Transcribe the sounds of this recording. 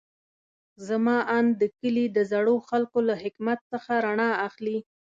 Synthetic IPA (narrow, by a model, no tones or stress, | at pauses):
zamɑʔɑnd̪əkəlid̪əzaɽoxalkolaɦɪkmat̪səxaɾaɳɑaxli